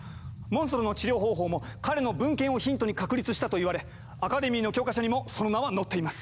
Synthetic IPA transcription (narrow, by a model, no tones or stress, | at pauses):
mõsoɾono̞t͡ɕiɾʲo̞ːɦo̞ːɦo̞ːmo̞kaɾe̞no̞bɯ̟̃ŋkẽ̞ɰ̃o̞çĩnt̪o̞ɲ̟ikakɯ̟ɾʲit͡sɨɕi̥t̪at̪o̞iβaɾe̞ | akad̪e̞mʲiːno̞kʲo̞ːkaɕaɲ̟imo̞so̞no̞naβano̞t̪ːe̞imasɨ̥